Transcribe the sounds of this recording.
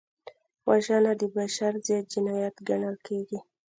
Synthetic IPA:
waʒanad̪əbaʃaɾzat̪̚d͡ʒɪnajat̪ɡaɳalkeɡi

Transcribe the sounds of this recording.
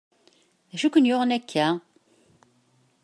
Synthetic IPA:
æʃukʷːənjʊʁənækːæ

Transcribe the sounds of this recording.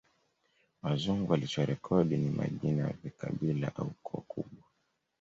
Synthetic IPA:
wazuŋɡualit͡ʃaɾɛkʰɔɗinima̰ʄinaavikaɓila̰ʔaukʰɔkʰṵɓwa

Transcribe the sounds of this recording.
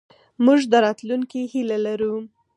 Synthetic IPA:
muʒd̪əɾɑt̪luŋkihilalaɾu

